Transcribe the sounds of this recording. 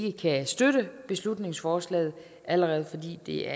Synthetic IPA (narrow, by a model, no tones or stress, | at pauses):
ɡ̥əkʰæsd̥øɾəb̥e̝slud̥ne̝ŋsfɒːslɛ̰ːɪð̞̩ˠ | æləʁɛːð̩ˠfɒ̽d̥ḭːd̥e̝æɐ